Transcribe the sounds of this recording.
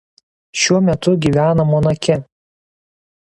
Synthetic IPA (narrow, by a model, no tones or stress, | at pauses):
ʃʲuɔmʲɛt̪ʊɡʲiˑʋʲæːnɐmɔnɐkʲɛ